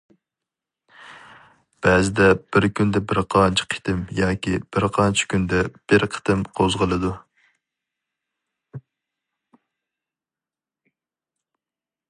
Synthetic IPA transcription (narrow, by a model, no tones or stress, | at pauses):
b̥ɛzɪd̪ɛb̥ɪɾkʲʰynd̪ɛbɪɾqʰɑnt͡ʃʰi̥qʰi̥t̪ʰɪmjɑːkʲib̥ɪɾqʰɑnt͡ʃʰɪ̥kʲynd̪ɛb̥ɪɾqʰə̥t̪ɨmqʰozʁəlˠɨd̪u